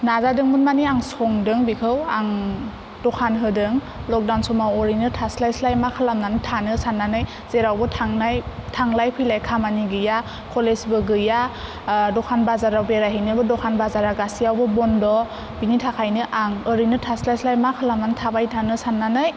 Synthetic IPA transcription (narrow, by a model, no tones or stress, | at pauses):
nazadɯŋmunmaniaŋsɔŋdɯŋbikʰɯwaŋ | dɔkʰanɦɯdɯŋ | lɔk̚dawnsɔmawɔɾinɯtʰaslajslajmakʰalamnanɯtʰanɯsanːanɯj | z̥eɾawbɯtʰaŋajtʰaŋlajpʰilajkʰamaniɡɯja | kʰɔlesbɯɡɯja | dɔkʰanbazaɾawbeɾaɦinɯbɯdɔkʰanbazaɾaɡasiawbɯbɔndɔ | binitʰakʰajnɯʔaŋɯɾinɯtʰaslajslajmakʰalamnantʰabajtʰanɯsanːanɯj